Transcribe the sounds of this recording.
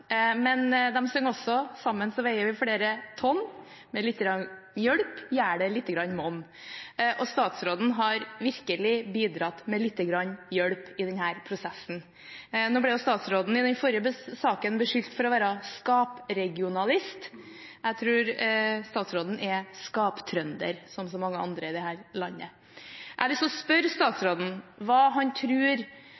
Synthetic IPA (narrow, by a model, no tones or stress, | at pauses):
mɛnd̪ɛmsœŋːɔsːɔsɑmːənsɔʋæɪəɾʋɪfɽeːɾət̪ʰɔnː | mɛlɪt̪ːəɡɾɑn | jœɽpjæːɖɛlɪt̪ːəɡɾɑɲːmɔnː | ʔɔst̪ɑːt̪sɾoːd̪n̩ɦɑɾʋɪɾkəlɪbiːd̪ɾɑt̪ːmɛlɪt̪ːəɡɾɑɲːjœɽpɪd̪ɛnhæːɾpʰɾʊsɛsːn̩ | noːblɛjʊst̪ɑːt̪sɾoːd̪n̩ɪd̪ɛnfɔɾjəbəsɑːkənb̪ɛʂʏlt̪fɔɾɔʋæːɾɑskɑːpɾɛɡɪʊnɑlɪst̪ | æt̪ʰɾʉːɾst̪ɑːt̪sɾoːd̪n̩ʔɛskɑːpt̪ʰɾœnd̪ə̰ɾsɔmsɔmɑŋːəɑ̰nd̪ɾəɪd̪ɛhæːɾlɑnːə̰ | ʔælɪst̪ɔspœɾst̪ɑːt̪sɾoːd̪n̩ʋɑːɦɑnt̪ʰɾʉːɾ